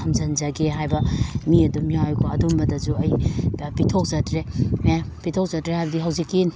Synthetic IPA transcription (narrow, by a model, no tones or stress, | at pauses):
ɐmzɐnd͡ʒɐɡeɦajbɐmiɐdumijawjkʰoɐdumbɐdɐzuɐjpitʰok̚zɐtɾeepitʰok̚zɐtɾehajbɐdiɦɐwzikːin